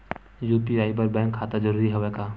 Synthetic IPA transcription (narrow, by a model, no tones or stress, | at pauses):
juːpiaːibɐɾbɛ̃ːŋkʰːaːt̪ad͡ʒəɾuːɾiɦɛʋeːkaː